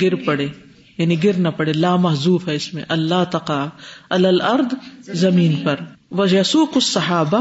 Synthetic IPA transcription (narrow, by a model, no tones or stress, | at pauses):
ɡɪɾpɐɽeː | jaːniɡɪɾnɐpɐɽelaːmɐɦzuːfɦɛɪsmḛ̃ʔɐlːaːt̪ɐqaːɐlalɐɾd̪zɐmiːnpɐɾʋɐjɐsuːqʊsːɐɦaːba